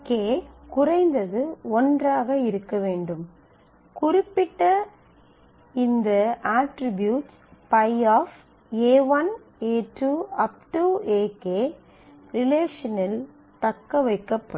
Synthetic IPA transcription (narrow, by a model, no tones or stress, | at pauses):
keːkʊrɐɪnd̪ɐðɯɔndraːɣɐɪɾɯkːɐʋeːɳɖɯm | kʊrɪpːɪʈːɐ | ɪnd̪ɐaːʈɾɪbjuːʈs | pɐɪaːf | eːʋɐn | eːʈuɐp̚ʈueːkeː | ɾɪleːʂɐnɪl | t̪ɐkːɐʋɐɪkːɐpːɐ